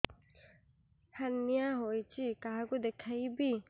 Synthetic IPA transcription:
hənːijaɦojt͡ʃʰikaɦakud̪ekʰaibi

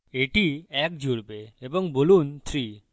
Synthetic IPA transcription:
eʈiɛk̚d͡ʒuɽpeebəŋbolunt̪ʰɾi

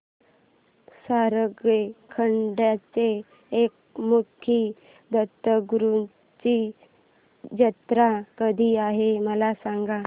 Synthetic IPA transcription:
saɾəɡekʰəɳɖjat͡seː | k̚ | mukʰi | d̪ət̪əɡuɾu | t͡ɕi | d͡ʑət̪ɾakəd̪ʱiaɦeməlasaŋɡa

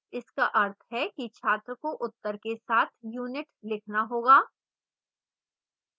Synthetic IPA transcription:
ɪskaʔɐɾt̪ʰɦɛkit͡ʃʰaːt̪ɾəkoʔʊt̪ːəɾkesaːt̪ʰjuːnɪʈlɪkʰnaɦoːɡaː

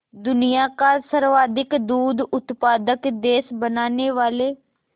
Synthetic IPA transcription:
d̪ʊnijaːkaːsəɾʋaːd̪ɪkd̪uːd̪ʊt̪paːd̪əkd̪eːsbənaːneːʋaːleː

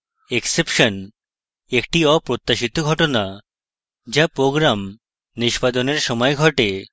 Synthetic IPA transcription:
eksepʃon | ekʈiɔpɾot̪ːaʃit̪oɡʱɔʈona | d͡ʑapɾoɡɾam | niʃpad̪oneɾʃɔmɔeɡʱɔʈe

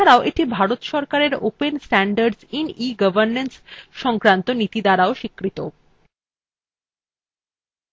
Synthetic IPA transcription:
aɾaoʔeʈibʱaɾot̪ʃɔɾkaɾeɾo̰pensʈæɳɖaɾɖsiniɡəbʱəɾnensʃɔŋkɾant̪onit̪id̪aɾaoʃikːɾit̪o

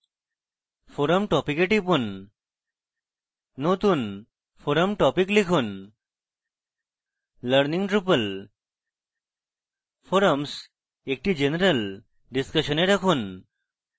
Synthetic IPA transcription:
fʰoɾəmʈɔpikeʈipun | ot̪un | fʰoɾəmʈɔpiklikʰun | ləɾniŋʈɾupəl | pʰoɾəms | ek̚ʈid͡ʑenəɾəl | ɖiskɐʃɔneɾakʰun

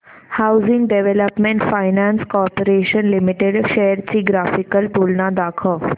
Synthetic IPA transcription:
hawzĩŋɡɖeʋeləpmẽɳʈfajnãnskɔːɾpəɾeːʃənlimiʈeɖʃeɦəɾt͡ɕiːɡɾaːfikəlʈuːlnad̪aːkʰə

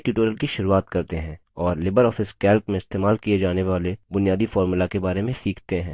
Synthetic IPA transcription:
ʈjuːʈoːɾəlkiʃʊɾuaːt̪kɐɾt̪eɦɛ̃ː | ɔːɾlɪbəɾɔːfɪskɛːlkmẽɪst̪eːmaːlkied͡ʒaːneʋaːlebʊnijaːd̪ifɔːɾmʊlakebaːɾemẽsiːkʰt̪eɦɛ̃ː

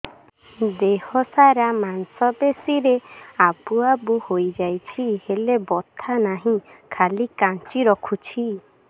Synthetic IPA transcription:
d̪ehɔsaɾamansɔbesiɾeabuabuhojd͡ʒajt͡ʃʰihelebɔt̪ʰanaɦĩkʰalikãnt͡ʃiɾɔkʰut͡ʃʰi

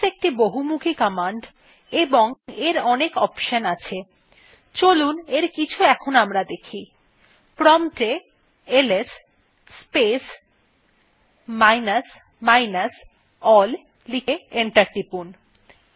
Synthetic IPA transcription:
ek̚ʈiboɦumukʰikamaɳɖ | eboŋeɾɔnekɔpʃənat͡ɕʰe | t͡ɕoluneɾkit͡ɕʰuɛkʰonamɾad̪ekʰi | pɾɔmʈe | elesː | pes | majnas | majnas | ɔl | likeeɳʈaɾʈipun

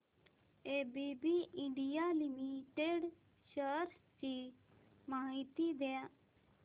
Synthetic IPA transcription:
ebibiʔɪ̃ɳɖijalimiʈeɖ | ʃəɾt͡ʃi | maːɦit̪id̪e

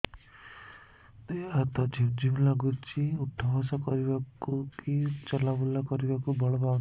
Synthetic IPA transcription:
t̪eat̪ɔd͡ʒʱiwd͡ʒilaɡut͡ʃiut̪ʰːɔbasɔkɔɾibakukit͡ʃɔlabulakɔɾibakubɔɭɔba

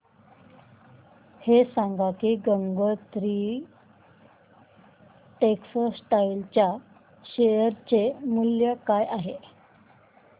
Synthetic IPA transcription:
hesãŋɡakiɡəŋɡət̪ɾi | ʈeksəssʈailt͡ɕja | ɕejəɾt͡ɕemuljəkajʔaɦe

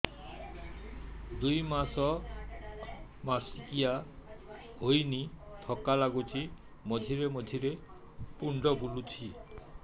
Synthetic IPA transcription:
d̪ujmasɔ | masikia | hojnit̪ʰɔkalaɡut͡ʃʰi | mɔd̪ʱiɾemɔd̪ʱiɾe | puɳɖɔbulut͡ʃʰi

